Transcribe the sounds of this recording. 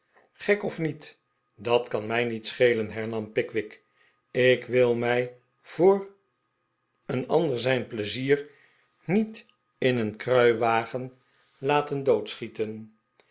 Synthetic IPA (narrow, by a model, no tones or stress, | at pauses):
χɛkɔfnit | dɑtkɑnmɛjnitsχejlənɦɛɹnɑmpɪkʋɪk | ɪkʋɪlˠmɛj | v̥ʊːr | ənɑ̰ndəɹzɛjnpləziːr | nit | ɪnənkrœɥʋaːχən | laːtəndowtsχitən